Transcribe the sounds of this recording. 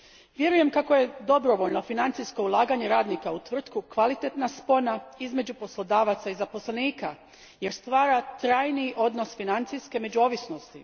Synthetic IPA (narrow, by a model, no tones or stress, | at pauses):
ʋje̞ɾuje̞mkako̞je̞d̪o̞bɾo̞ʋoʎno̞finant̪sijsko̞ulˠaːɡaɲeɾaːd̪nikaut̪ʋr̩t̪kukʋalit̪et̪naspo̞naizme̞d͡ʑupo̞slˠo̞d̪aːʋat̪saizapo̞sleniːka | je̞ɾst̪ʋaːɾat̪ɾaːjniʔo̞d̪no̞sfinant̪sijske̞me̞d͡ʑuo̞ːʋisno̞st̪i